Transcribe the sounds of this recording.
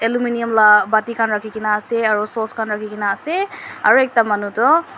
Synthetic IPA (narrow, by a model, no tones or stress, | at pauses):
ɛluminijɔmlabatikʰanɹakʰikinaːsɛaɹusɔskʰanɹakʰikinaːsɛa̰ɹuɛk̚tamanutɔ